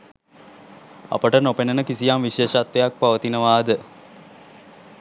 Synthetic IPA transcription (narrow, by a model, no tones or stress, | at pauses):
ɐ̰pəʈənopenənəkisijamʋiʃeːʃat̪ʋejak̚paʋət̪inəʋaːd̪ə